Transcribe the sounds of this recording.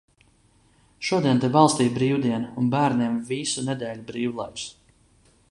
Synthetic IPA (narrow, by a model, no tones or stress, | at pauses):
ʃuɔd̪iɛnt̪ɛbɑlˠst̪iːjbɾiːwd̪iɛnunbæːɾnʲiɛmvisunɛd̪eːlʲubɾiːwlˠajks